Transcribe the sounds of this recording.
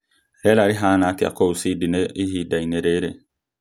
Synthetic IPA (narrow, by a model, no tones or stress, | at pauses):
hɛlaɾiɦãnatia̰kousidineiɦidaineɾeɾe